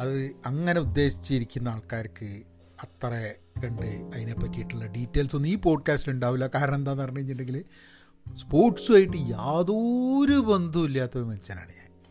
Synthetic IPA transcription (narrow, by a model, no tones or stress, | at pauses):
ɐðɨɐŋːɐne̞ud̪ːe̞ːɕi̥t͡ɕːiɾikʲːunːɐaːɭkaːɾkːɨ | ɐt̪ːre | kɐɳɖɨɐðinepːɐtːijiʈːuɭːɐɖiːtːe̞ːlso̞nːiːpo̞ːɖ̚kaːstiluɳɖaːʋilːɐkaːɾɐnend̪aːnɐrɐɲːuiɲːiɳɖe̞ŋɡil | spo̞ːrʈsuaːjiʈːɨjaːðoɾubend̪ʱuilːaːt̪ːɐɐɾmʋɐnit͡ɕːaːna̰ːɽija̰ː